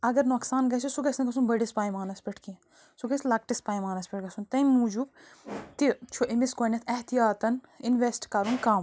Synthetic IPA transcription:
ɐɡɐɾnoːksaːnɡɐt͡ʃʰisuɡɐsnɐk̪ɐsunbɐɖispaːjmaːnɐspʲiʈʰkĩ | suɡɐslɐk̚ʈispaːimaːnɐspʲiʈ̚ɡɐsunt̪ɐjmuːd͡ʒubt̪it͡ʃʰuʔimiskoːnʲɐt̪ʰɐht̪ijaːt̪ɐn | inʋesʈkɐɾunkaːm

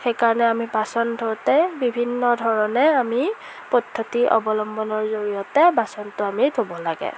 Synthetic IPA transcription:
xejkaɹɔnɛamibasɔntʰowtɛbibʱinːɔdʱɔɹɔnɛami | pɔdʱːotiʔɔ̰bɔlɔmbɔnɔɹzoɹijɔtɛbasɔntʊamitʰobɔlaɡɛ̰

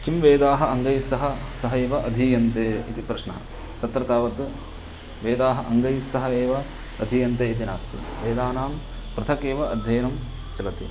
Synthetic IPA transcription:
kimʋeːd̪aːɦɐ̆ɐŋɡɐjsːɐɦɐsɐɦɐeːʋɐʔɐd̪ʱijɐnt̪eːḭt̪ipɾɐʃnɐɦɐ̰ | t̪ɐt̪ɾɐt̪aːʋɐt̪ | ʋeːd̪aːɦɐ̆ʔɐŋɡɐjsɐɦɐeːʋɐ | ɐd̪ʱiːjɐnt̪eːit̪inaːst̪ḭʋeːd̪aːnaːm | pɾɨt̪ʰɐkeːʋɐɐd̪ʱjɐːɐnɐm | t͡ʃɐɡɐt̪ḭ

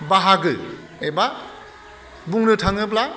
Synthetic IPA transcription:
baɦaɡɯ | ejba | buŋdɯtʰaŋɯp̬la

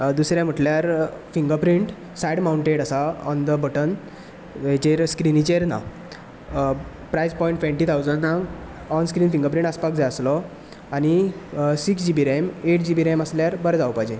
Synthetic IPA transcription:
d̪usɾjãm̤əʈljaɾfiŋɡəpɾĩɳʈ | sajɽmawuɳʈeʈəsaɔnd̪əbəʈən | ʋet͡ɕeɾskɾinit͡ɕeɾna̰ | pɾajspɔiɳʈfʋẽnʈit̪ʰawd͡zənna | ɔnskɾiːnfĩŋɡəɾpɾĩɳʈəspak̚d͡zajəslɔ | añisiksd͡ʑibiɾemeʈd͡ʑibiɾeməsljaɾbəɾd͡zaʋpajd͡ʑe

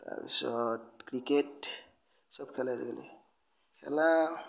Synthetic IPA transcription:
ta̰bḭsɔtkɹiket | sɔbkʰɛlazɛ̰ɡɛlɛ̰ | kʰɛ̰la

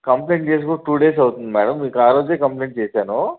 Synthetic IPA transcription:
kɐmpleːɳʈt͡ʃeːs̬kuʈuːɖeːs̬ɐwut̪und̪imɛːɽɐmːiːkaːɾoːd͡ʒeːkɐmpleːɳʈ̚t͡ʃeːsaːnoː

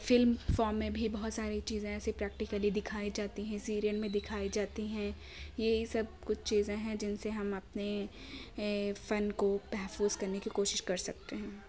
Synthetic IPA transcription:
fɪlmfɔːɾmːẽbʱibɐɦʊt̪saːɾit͡ʃiːzẽɛːsepɾɛːk̚ʈɪkəlid̪ɪkʰaːid͡ʒaːt̪iɦɛ̃siːɾijənmẽd̪ɪkʰaːid͡ʒaːt̪iɦɛ̃ | jesɐb̚kʊt͡ʃʰt͡ʃiːzẽɦɛ̃d͡ʒɪnseɦɐmɐp̚ne | fɐnkobɛɦfuːzkɐɾnekikoːʃɪʃkɐɾsɐk̚t̪eɦɛ̃ː

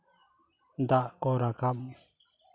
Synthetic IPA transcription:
d̪aʔkɔɾakam

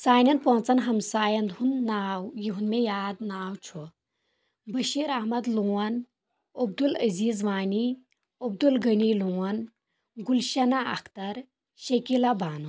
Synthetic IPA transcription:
saːnʲɐnpont͡sɐnɦɐmsaːjɐnd̪ɦunːaːwjiɦunmejaːd̪naːwt͡ʃʰu | bəʃiːɾɐhmɐd̪luːwɐn | ɐb̚d̪ulɐziːzʋaːni | ob̚d̪ulɡəniluːwɐn | ɡulʃɐnaɐ̰kʰt̪ɐɾ | ʃɐkilɐbaːnu

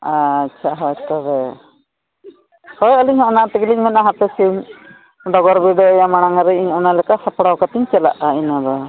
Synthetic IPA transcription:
aːt͡ʃʰaɦɔjt̪ɔbɛ | hɔjɔliɲɦɔ̃ʔnaʔt̪ɛɡiliɲmɛnaɦat̪ɛsiɲ | ɖɔɡɔɾbiɖ̪ɔɔjamaɽ̃aŋaɾɛiɲɔnalɛkasapɔɽawkat̪iɲt͡ʃɛla̰ʔainad̪ɔ

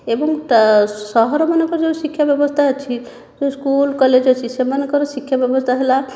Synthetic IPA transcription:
ebɔŋ | sɔɦɔɾɔmanekɔɾd͡ʒesikʰːjabjɔbɔst̪ʰat͡ʃʰi | d͡ʒoskulkɔled͡ʒɔt͡ʃʰisemanekɔɾɔsikʰːjabjɔbɔst̪ʰaɦela

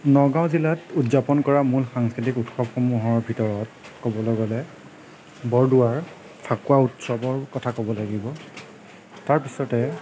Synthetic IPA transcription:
nɔɡãw̃zilatutzapɔnkɔɹamulxaŋskɹitikutxɔbxɔmuɦɔɹbʱitɔɹɔt̚ | kɔbɔlɔɡɔlɛ | bɔɹduaɹ | pʰakuautsɔbɔɹkɔtʰakɔbɔlaɡibɔ | taɹpisɔtɛ

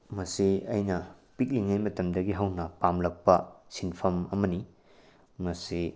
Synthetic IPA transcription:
mɐsiɐjnɐpik̚liŋajmɐtɐmdɐɡiɦɐwnɐpamlɐk̚pɐsinpʰɐmɐmɐni | mɐsi

